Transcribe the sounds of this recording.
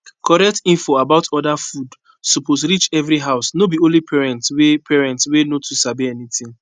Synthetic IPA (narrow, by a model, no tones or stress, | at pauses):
kʰɔɹɛk̚tĩnfoabaʊtɔdafud | suposɹit͡ʃɛvɾiɦaʊsnobiõnlipʰɛɹɛ̃ntwepʰɛɹɛ̃ntswenotʰusabiɛnitĩŋ